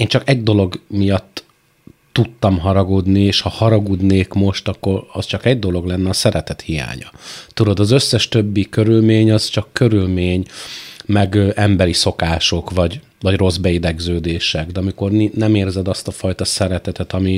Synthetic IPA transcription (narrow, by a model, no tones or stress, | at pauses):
eːnt͡ʃɒkɛɟd̪o̞lo̞ɡmijɒt̪ː | ut̪ːɒmɦɒɾɒɡod̪nieːʃhɒhɒɾɒɡud̪neːkmo̞ʃt̪ɒkːo̞ɾɒst͡ʃɒkɛɟd̪o̞lo̞ɡlɛnːɛɒsɛɾɛt̪ɛt̪hija̰ːɲɒ̰t̪ud̪o̞d̪ɒzøsːɛʃt̪ø̞bːikø̞ɾylmeːɲɒzt͡ʃɒkːøɾylmeːɲmɛɡʔɛmbɛɾiso̞kaːʃo̞kvɒɟ | vɒɟro̞zbɛid̪ɛɡzøːd̪eːʃɛɡd̪ɛɒmiko̞rninɛmeːrzɛd̪ɒst̪ɒfɒjt̪ɒsɛɾɛt̪ɛt̪ɛt̪ɒmi